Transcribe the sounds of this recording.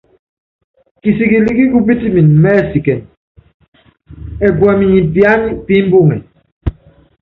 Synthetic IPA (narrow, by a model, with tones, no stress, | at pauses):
ki˨si˨ki˨li˦ki˦ku˦bi˦ti˦mi˨nmɛ˦˨si˨kɛ˨n | ɛ˨ɡwa˨mi˨ɲi˨pja˦ni˦pi˦m˦bu˦˨ŋɛ̰˨